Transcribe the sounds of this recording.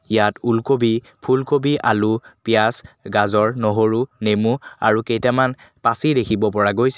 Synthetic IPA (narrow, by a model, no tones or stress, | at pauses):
jatulkobi | pʰulkobiʔalupijasɡazɔɹnɔɦoɹunemua̰ɹukejtɛman | pasidekʰibɔpɔɹaɡojsɛ